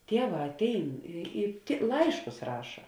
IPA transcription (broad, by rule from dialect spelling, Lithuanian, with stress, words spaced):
ˈtʲiɛˌʋɑː ɐtʲˈɛɪn ɪ ɪ tʲɪ ˈlˠɐɪʃkʊs ˈrɑːʃɐ